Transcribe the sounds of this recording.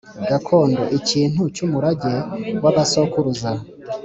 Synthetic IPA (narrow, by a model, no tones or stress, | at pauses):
ɡ̥akʰo̞ːndo̞̰ʔiciːn̥hut͡ʃumuɾaɟewaβaso̞kuɾuza